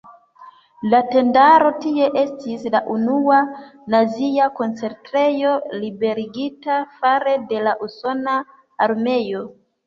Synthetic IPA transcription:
late̞ndaɾo̞tie̞ʔe̞stislaʔunuanaziako̞nt͡se̞ɾtɾe̞jo̞libe̞ɾiɡitafaɾe̞de̞laʔuso̞naː | ɾme̞jo̞

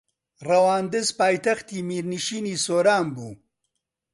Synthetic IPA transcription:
rɐwaːnd̪ɨzpaːjt̪ɐxt̪iːmiːɾniʃiːniːsoːɾaːmbuː

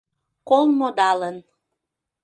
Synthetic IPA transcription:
kolˠmod̪ɑlən

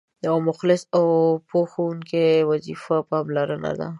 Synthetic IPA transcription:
jawamʊxlɪsawpoxawuŋkewazifapɑmlaɾəna̰d̪a̰

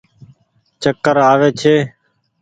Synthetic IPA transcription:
t͡ʃəkːəɾaːʋeːt͡ʃʰeː

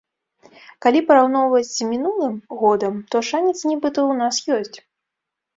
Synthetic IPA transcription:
kalʲipɐɾawnɔwvɐt͡sʲmʲinulˠɨmɣɔd̪ɐmt̪ɔʂanʲɛt̪snʲɛbɨt̪ɐwnasjɔsʲt͡sʲ

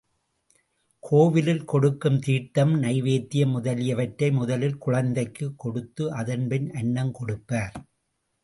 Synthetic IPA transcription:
kʰoːʋɪlɪlkɔɽɯkːɯmt̪iːʈːɐmnɐɪʋeːt̪ːɪjɐmʊðɐlɪjɐʋɐʈɾɐɪmʊðɐlɪlkʊɻɐnd̪ɐɪkːɯkːɔɽɯt̪ːɯʔɐðɐnpɪnʔɐɳːɐmkɔɽɯpːaːɾ

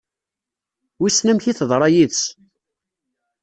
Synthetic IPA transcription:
wisnæmçiθəðˤɾˤɑjiðt͡s

